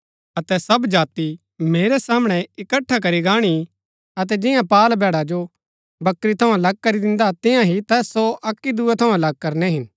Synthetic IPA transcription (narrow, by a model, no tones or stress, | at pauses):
ɐt̪ɛsɐbd͡ʒaːt̪i | meːɾɛsaːmɽ̃ɛɪkəʈʰːak̬ɐɾiɡaːɽ̃i | ɐt̪̬ɛd͡ʒɪjãpaːlbʱɛːɽad͡ʒo | bɐkɾit̪ʰɐũlɐɡ̚kɐɾid̪ɪ̃nd̪at̪ɪjãɦit̪ɛːsoʔɐkːid̪uɛt̪ʰɐũlɐɡ̚kɐɾnɛɦɪn